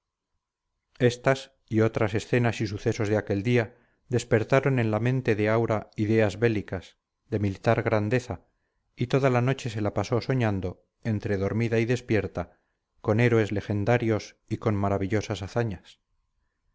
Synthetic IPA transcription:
e̞st̪as | iot̪ɾase̞sθe̞nasisuθe̞so̞zðeake̞ld̪ia | ðe̞spe̞ɾt̪aɾo̞nẽ̞nlamẽ̞nt̪e̞ðe̞awɾaiðe̞azβe̞likas | ðe̞milit̪aɾɣɾand̪e̞θa | it̪o̞ðalano̞t͡ʃe̞se̞lapaso̞so̞ɲand̪o̞ | ent̪ɾe̞ðo̞ɾmiðaiðe̞spje̞ɾt̪a | ko̞ne̞ɾoe̞zle̞xe̞nd̪aɾjo̞s | iko̞nmaɾaβiʎo̞sasaθaɲas

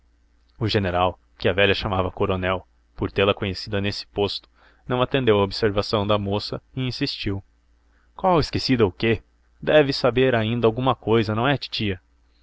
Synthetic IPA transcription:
ʊʒeneɾaw | kɪɐvɛʎɐʃamavɐkoɾonɛw | poɾt̪elɐkõɲesid̪ɐnesɪ̥post̪ʊ̥ | nɐ̃w̃at̪ẽnd̪ewɐobseɾvasɐ̃w̃d̪ɐmosɐɪĩsist͡ʃiw | kwawɪskesid̪ɐʊke | d̪ɛvɪsabeɾaĩnd̪ɐawɡũmɐkojzɐnɐ̃w̃ɛat͡ʃi̥t͡ʃiɐ

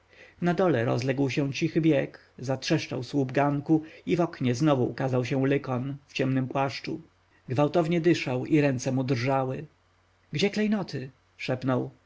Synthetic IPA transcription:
nad̪ɔlɛɾɔ̰zlɛɡwɕɛ̃t͡ɕixɘbʲjɛk | zatʂɛʂt͡ʂa̰wswubɡaŋkuivɔkɲɛznɔvuṵkazawɕɛ̃lɘkɔnft͡ɕɛmnɘmpwaʂt͡ʂu | ɡvawt̪ɔvɲɛd̪ɘʂawiɾɛnt̪sɛmud̪rʐawɘ | ɡd͡ʑɛklɛjnɔt̪ʰɘ | ʂɛpnɔw

